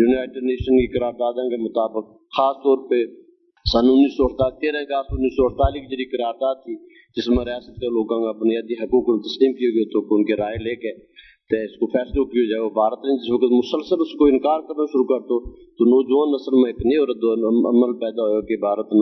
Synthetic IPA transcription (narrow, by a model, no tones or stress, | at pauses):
juːnaːɪʈɖneːʃənkiːkəɾaːɾd̪aːd̪ãkemʊt̪aːbɪk̚ | xaːst̪ɔːɾpeː | sənʊnːiːsoːɾt̪aːlt̪eːɾɛ̃kaːsʊnːiːsoːəɾt̪aːliːkd͡ʒeɾiːkəɾaːɾd̪aːd̪̚t̪ʰiː | d͡ʒɪsmẽɾɪjaːsət̪̚kaloːɡãːɡabʊnɪjaːd̪iːɦəkuːkt̪əsliːmkijoːɡoːt̪ʰoːkʊnkeɾaːeleːkeː | t̪eɪskopʰɛːslokioːd͡ʒaːeoːbʱaːɾət̪nẽd͡ʒɪsʋəkət̪mʊsəlsəlʊskoɪnkaːɾkəɾnaːʃʊɾuːkəɾt̪oːt̪oːnoːd͡ʒʋaːnəsəlmẽːɪkneːɾəd̪ə̰məlpɛːd̪aːɦojoːkebʱaːɾət̪n